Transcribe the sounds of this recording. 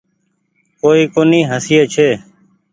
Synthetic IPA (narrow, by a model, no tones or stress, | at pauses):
koːiːkoːniːɦəsijeːt͡ʃʰeː